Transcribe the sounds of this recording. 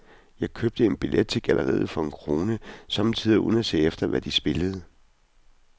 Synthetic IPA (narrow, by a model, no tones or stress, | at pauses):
jɑ̈ɪkʰøb̥̚d̥əe̝nb̥ilʔed̥̚t͡sʰe̝ɡ̥ælʔɐʁḭð̞̩ˠfɒ̽e̝nkʰʁo̝ːnəsɑ̽mt͡sʰið̰ˠuðnæse̝̰ːefd̥ɐʋæd̥isb̥e̝ləð̞̩ˠə